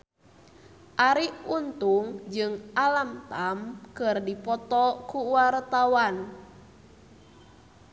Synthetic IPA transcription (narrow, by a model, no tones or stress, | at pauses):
ʔaɾiʔunt̪uŋd͡ʒɨŋʔalamt̪amkɨrdipɔt̪ɔkuwart̪awan